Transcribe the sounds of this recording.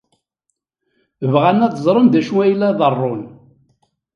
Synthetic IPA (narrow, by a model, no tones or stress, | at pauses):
əvʁanæðzˤɾˤənd̪æʃuæjlːæðˤərˤːon